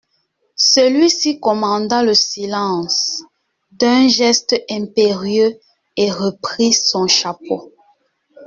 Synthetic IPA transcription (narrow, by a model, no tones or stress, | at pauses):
səlɥisikɔmɑ̃d̪aləsilɑ̃s | d̪ɛ̃ʒɛst̪ɛ̃peʁjø | eʁəpχisɔ̃ʃapo